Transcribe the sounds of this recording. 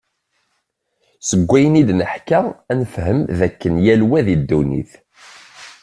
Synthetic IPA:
səɡʷːæjənid̪nəħkæænfɦəmðækːənjælwæðid̪ːunḭθ

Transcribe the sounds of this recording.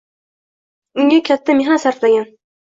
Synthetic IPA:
ʊŋɡakʲʰat̪ʰːameɦasaɾt̪laɡʲan

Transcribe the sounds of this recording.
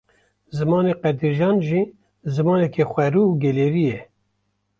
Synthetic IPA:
zɨmɑːneqɛd̪iɾʒɑːnʒiː | zɨmɑːnɛkʰɛxʷɛɾuːuɡɛleːɾiːjɛ

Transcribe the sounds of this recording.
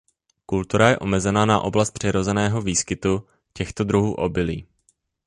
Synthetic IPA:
kult̪uɾajɛʔo̞mɛzɛnaːnaʔo̞blast̪̚pr̝̥ɪɾo̞zɛnɛːɦo̞viːskɪt̪u | cɛxt̪o̞d̪ɾuɦuːʔo̞bɪliː

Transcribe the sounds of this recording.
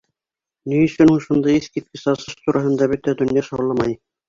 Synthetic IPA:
nijɵ̆sɵ̆nuʃŭnd̪ɑiskit̪̚kɘsɑsɤʃt̪uɾʔɑɦɤ̆nd̪ɑbɵt̪æd̪ɵ̆njɑʃɑwlˠɑmɑj

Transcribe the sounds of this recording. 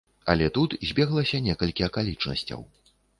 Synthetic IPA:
ɐ̰lʲɛt̪ut̪zʲbʲɛɣlˠɐsʲɐnʲɛkɐlʲkʲiɐkalʲit͡ʂnɐ̰sʲt͡sʲɐ̰w

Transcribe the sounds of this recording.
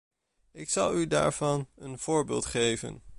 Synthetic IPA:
ɪksɑlˠyda̰ːɹv̥ɑnənv̥ʊːɹbɪːlˠtχejvə̰n

